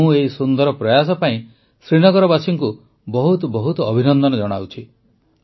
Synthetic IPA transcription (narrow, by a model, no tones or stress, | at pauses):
ũeisund̪ɔɾɔpɾɔjas̬ɔpaĩ | sɾiɽ̃ɔɡɔɾɔbasiŋku | bɔɦut̪ɔbɔɦut̪ɔːbʱinɔnd̪ɔnɔd͡ʒɔɽ̃awt͡ʃʰi